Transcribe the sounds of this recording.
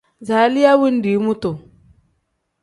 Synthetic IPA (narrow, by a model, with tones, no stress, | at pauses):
za˨˦li˦ja˦wu˦n˦di˨˦mu˦to˨